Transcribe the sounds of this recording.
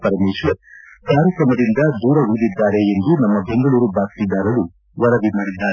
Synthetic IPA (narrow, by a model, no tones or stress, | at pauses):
pɐɾɐmeːʃʋɐɾkaːɾjɐkɾɐmɐd̪ind̪ɐd̪uːɾɐɦud̪id̪ːaːɾe̞end̪unɐmːɐbe̞ŋɡɐɭuːɾubaːkt̪id̪ːaːɾɐlu | ʋɐɾɐbimaːɽid̪ːaː